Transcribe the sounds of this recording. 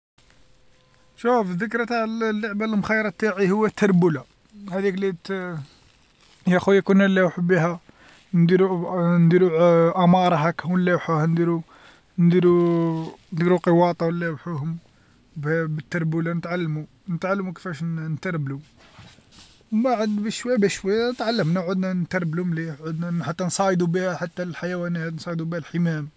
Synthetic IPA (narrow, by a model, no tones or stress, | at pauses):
ʃufðəkɾˤt̪aʕəllːoʕbælmxæjːɾˤɑt̪ːaʕihʊwːæt̪ʰːɑɾˤbula | hæd̪iklit̪ | jæxujækunælːæwħubiɦæ | nd̪iɾund̪iɾuʔæmɑɾˤɑɦækwəlːæwħuhænd̪iɾu | nd̪iɾu | nd̪iɾuqəwɑt̪ˤɑwəlːæwħuhʊm | bbət̪ːɑɾˤbulænət̪ʕalːmu | nət̪ʕalːmukə̥fæʃnt̪ɑɾˤblu | baʕəd̪bæʃwæjːæbæʃwæjːænət̪ʕalːəmnæʕud̪nænt̪ɑɾˤblumliʕud̪næħat̪ːænsˤɑʕəd̪ubihæħat̪ːælħajæwænæt̪nsˤɑd̪ubihælħəmæm